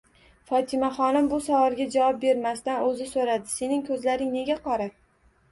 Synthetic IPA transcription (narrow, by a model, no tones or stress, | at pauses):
fɒt̪ʰɪmaχɒnɪmbʊsavɒɾɡʲad͡ʒavɒp̚be̞ɾmast̪anɵzɪsoɾad̪ɪse̞nɪŋkʰɵzlaɾɪŋne̞ɡʲaqʰɒɾa